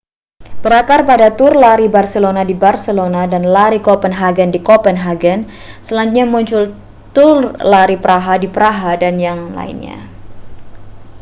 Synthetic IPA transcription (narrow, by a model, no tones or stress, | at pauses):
b̥əɾakarpadat̪ʊrlaɾibarsəlonadibarsəlonadanlaɾikɔpənɦaɡəndikɔpənɦaɡən | səlaɲt̪̚ɲamuɲt͡ʃʊl | t̪ʊrlaɾipəɾaɦadipəɾaɦadanjaŋla̰ḭnɲa̰